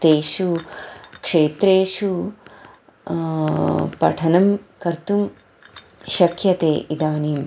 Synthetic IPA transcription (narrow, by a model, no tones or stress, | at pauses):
t̪eːʃu | kʂeːt̪ɾeːʃu | pɐ̰ʈʰɐnɐmkɐɾt̪um | ʃɐkʰjɐt̪eːʔid̪aːniːm